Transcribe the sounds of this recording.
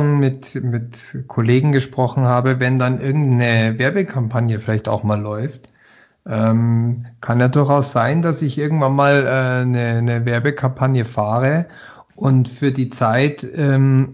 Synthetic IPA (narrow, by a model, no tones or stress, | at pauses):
nmɪtmɪt | kʰoleːɡŋ̩ɡəʃpʁ̥ɔχn̩haːbəvɛndanʔɪɐɡŋ̩tnəvɛɐbəkʰampʰanjəfɪlaɪçta̰ʊxmaːlːɔʏft | ʔɛːmkʰanjaːdʊɐçaʊsz̥aɪndasɪçʔɪɐɡŋ̩tv̥anmaːlʔɛːnənəvɛɐbəkʰampʰanjəfaːʁ̞ə | ʔʊntfyːɐdiːt͡saɪtʔɛːm